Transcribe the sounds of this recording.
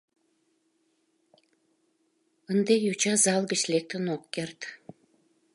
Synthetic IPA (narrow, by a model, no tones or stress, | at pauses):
ənd̪ejut͡ɕɑzɑlɡət͡ɕlek̚t̪ənokːert̪